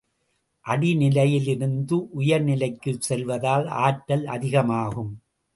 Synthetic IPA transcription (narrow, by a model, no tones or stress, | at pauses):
ʔɐɽinɪlɐjɪlɪɾɯnd̪ɯʔʊjɐɾnɪlɐɪkːɯsɛlʋɐðaːla̰ːʈːɐlɐ̰ðɪɣɐmaːɣɯm